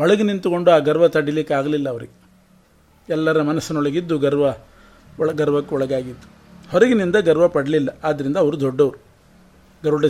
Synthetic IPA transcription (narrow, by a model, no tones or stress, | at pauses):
ɔɭɐɡenint̪uko̞ɳɖuaːɡɐɾʋɐt̪ɐɽilikːeaːɡɐlilːɐːʋɐɾiɡe | ɛlːɐɾɐmɐnɐsːɐnɐɔɭɐɡid̪ːuɡɐɾʋɐ | ɭɡɐɾʋɐkːeɔɭɐɡaːɡid̪ːu̥ | hɔɾɐɡinind̪ɐɡɐɾʋɐpɐɽɐlilːɐaːd̪ːɐɾind̪ɐːʋɐɾud̪ɔɖːɐʋɐɾu | ɡɐɾʋɐɽɐ